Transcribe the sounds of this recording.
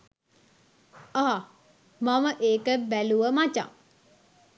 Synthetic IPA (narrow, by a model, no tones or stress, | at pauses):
aː | maməʔeːkəbæluʋəmat͡ʃa̰ŋ